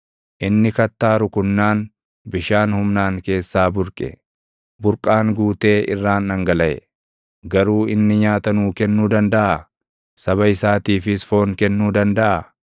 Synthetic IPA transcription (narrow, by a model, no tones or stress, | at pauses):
ʔɪnːɪkɐt̪ːaːɾʊkʊnːaːn | bɪʃaːnhʊmnaːŋke̞ːsːaːbʊɾkʼɛ̰ | bʊɾkʼaːŋɡuːt̪e̞ːʔɪrːaːnɐŋɡɐlɐʔɛ̰ | ɡɐɾuːɪnːɪɲaːt̪ɐnuːkɛnːuːd̪ɐnd̪ɐʔɐ | sɐβɐɪsaːt̪iːfɪsfo̞ːŋkɛnːuːd̪ɐnd̪ɐʔɐ